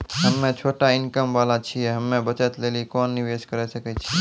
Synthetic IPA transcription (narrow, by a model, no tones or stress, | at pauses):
ɦəmːẽt͡ʃʰoʈaɪnkəmʋalat͡ʃʰijɛɦəmːẽbət͡ʃət̪lelikɔnːiʋeskəɾɛsəkɛt͡ʃʰi